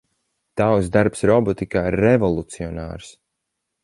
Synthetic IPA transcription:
d̪̥awsd̪aɾpsɾɔbɔt̪ikaːiɾːɛvɔlˠut̪siɔna̰ːɾs

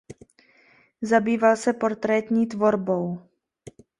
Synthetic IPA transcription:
zabiːvalsɛpo̞ɾt̪ɾɛt̪ɲiːt̪vo̞ɾbow

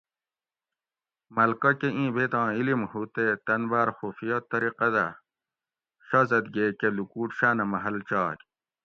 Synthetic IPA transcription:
mɐlkɐkeʔĩːbet̪ãːilimhuːt̪et̪ɐnbaːɾxuːfijɐt̪ɐɾiqɐd̪a̰ | ɕɐzɐd̪ɡekelukuːʈɕaːnɐmɐɦɐlt͡ɕaːkʲ

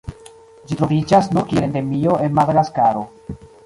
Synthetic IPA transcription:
d͡ʒitɾo̞vid͡ʒasnukielende̞mioʔenmadaɡaskaɾo̞

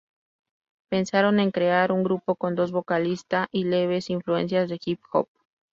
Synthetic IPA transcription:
pe̞nsaɾo̞ne̞ŋkɾe̞aɾuŋɡɾupo̞ko̞nd̪o̞zβo̞kalist̪aʔile̞β̞e̞siɱflue̞̰ns̬jazðe̞xipxo̰p̚

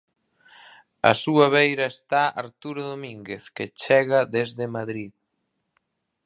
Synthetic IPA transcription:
ɐ̰suɐβ̞ejɾɐest̪aaɾt̪uɾoðomiŋɡeθket͡ʃɛɣɐðezðemaðɾið

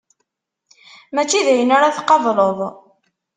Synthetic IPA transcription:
mæt͡ʃːiðʕinaɾaθqɑvˤləðˤ

